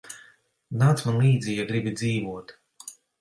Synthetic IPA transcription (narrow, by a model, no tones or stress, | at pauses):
naːt̪smanlˠiːd̪zʲiːjaɡɾibid̪ziːvuɔt̪